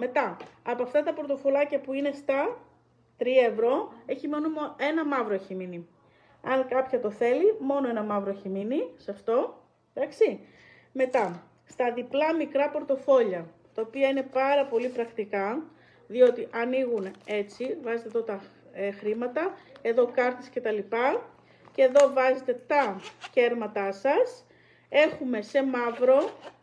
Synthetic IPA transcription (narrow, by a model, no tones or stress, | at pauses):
me̞t̪ɐːpoɐft̪ɐt̪ɐpoɾt̪o̞fo̞lɐcɐpuine̞st̪ɐ | t̪ɾiɐe̞vɾo̞e̞çimonumoe̞nɐmɐvɾoeçimini | ɐŋkɐpçɐt̪o̞θe̞limo̞no̞e̞nɐmɐvɾoçiminisɐft̪o̞ | d̪ɐksi | me̞t̪ɐ | st̪ɐðiplɐmikɾɐpo̞ɾt̪o̞fo̞ʎɐ | t̪ɐopiɐine̞pɐɾɐpo̞lipɾɐkt̪ikɐ | ðio̞t̪iʔɐniɣune̞t͡sivɐzet̪eðot̪ɐ | exɾimɐt̪ɐe̞ðo̞kɐɾθisce̞t̪ɐlipɐ | ce̞ːðo̞vɐzet̪e̞t̪ɐce̞ɾmɐt̪ɐsɐs | e̞xume̞se̞mɐvɾo̞